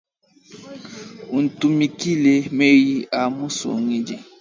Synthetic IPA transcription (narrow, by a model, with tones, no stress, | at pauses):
u˨n̩˨tu˨mi˨ki˦le˨me˦ji˦a˨mũ˦so̰˨ŋi˦d͡ʒi˨